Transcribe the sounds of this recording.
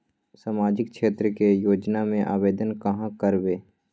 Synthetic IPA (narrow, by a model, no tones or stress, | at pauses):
saːmaːd͡ʒɪk̚ʃeːt̪ɾəkejoːd͡ʒnamẽʔa̰ːʋeːd̪ənkɐɦãkəɾbeː